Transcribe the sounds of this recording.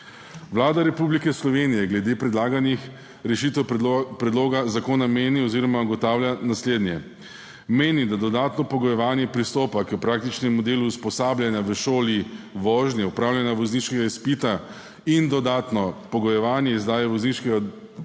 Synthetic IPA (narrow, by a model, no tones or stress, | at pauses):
ʋlaːd̪aɾɛpublikɛslɔʋenijɛɡlɛd̪eːpɾɛd̪laːɡanix | ɾɛʃiːt̪ɛwpɾɛd̪loːɡazakoːnameːniɔziːɾɔmaɡɔt̪aːwlʲjanasleːd̪njɛ | meːnid̪ad̪ɔd̪aːt̪nɔpɔɡɔjɛʋaːnjɛpɾist̪oːpakəpɾak̚t̪it͡ʃnɛmːɔd̪eːluːspɔsaːblʲjanjaʋəʃoːliʋɔːʒnjɛupɾaːwlʲjɛnaʋɔzniʃkɛɡaispit̪a | ind̪ɔd̪aːt̪nɔpɔɡɔjɛʋaːnjɛizd̪aːjɛʋɔzniʃkɛɡa